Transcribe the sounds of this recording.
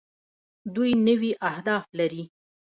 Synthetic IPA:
d̪ujnəwiʔahd̪ɑflaɾi

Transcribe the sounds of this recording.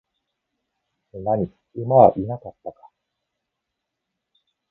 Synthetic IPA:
enaɲ̟i | ɯmaβaʔinakat̪ːakḁ

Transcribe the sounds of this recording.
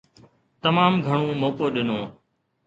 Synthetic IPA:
t̪əmaːmɡʱəɳõːmoːkoːɗɪnõː

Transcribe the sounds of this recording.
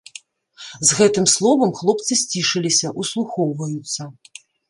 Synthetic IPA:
zɣɛt̪ɨmslˠɔvɐmxlˠɔp̚t̪sɨsʲt͡sʲiʂɨlʲisʲɐʔuslˠuxɔwvɐjut̪sːɐ

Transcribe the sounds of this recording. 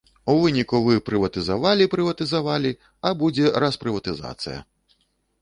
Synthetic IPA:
uvɨnʲikuvɨpɾɨvɐt̪ɨzavalʲipɾɨvɐt̪ɨzavalʲi | ɐbud͡zʲɛɾɐspɾɨvɐt̪ɨza̰t̪sɨjɐ̰

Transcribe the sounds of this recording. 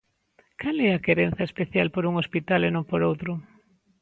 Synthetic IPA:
kalɛakeɾen̟θɐespeθjalpoɾuŋospit̪alenõmpoɾowt̪ɾʊ

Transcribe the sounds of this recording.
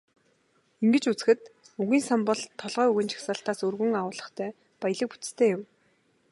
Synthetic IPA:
iŋɡɘ̆t͡ɕut͡sɘ̥̆xɘ̆t̪ | uɣiːnsampɔɮt̪ʰːɔɮʁœːuɣɘ̆ːnt͡ɕʰḁxsaːɬt̪aːsɵrɣɵ̆ŋaʊːɮə̆χt̪ʰæː | paj̆ɮə̆k̚pu̥t͡st̪ʰeːjʊm

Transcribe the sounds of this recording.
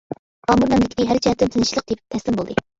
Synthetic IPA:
ɑːmuɾmɛmlɪkʲʰk̪ʲɪɦæɾt͡ʃʰɛɛt̪mt̪ʰɪnʃilˠəq̚d̪ep̚t̪ʰɛslɪmbolˠd̪ɨ

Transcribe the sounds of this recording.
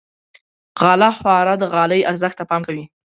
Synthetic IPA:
ɣɑlaxwɑɾad̪əɣɑləjaɾzəxt̪apɑmkawi

